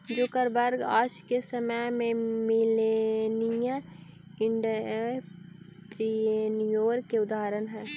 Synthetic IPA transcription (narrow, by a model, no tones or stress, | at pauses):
d͡ʒoːkəɾbɐɾɡaːʃkesəməjmẽmɪlenijə | ɪɳɖ | pɾinijoːɾkeʊd̪aːɾənɦɛː